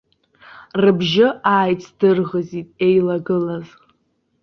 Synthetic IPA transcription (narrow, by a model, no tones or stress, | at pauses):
rɨbʒɪaːjt͡sʼʰd̥ɨrʁəzitʼe̞jlaɡɨlaz